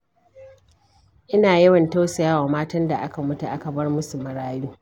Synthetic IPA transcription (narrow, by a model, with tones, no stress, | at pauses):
ʔɪ˦naː˨jɐ˦wɐ˨nta˦wsɐ˨jaː˦waː˨maː˦tɐ˦nda˨ʔa˦ka˨mʊ˦tu˨ʔa˦ka˨bɐ˦rmʊ˦su˨mɐ˨ɽaː˦juː˦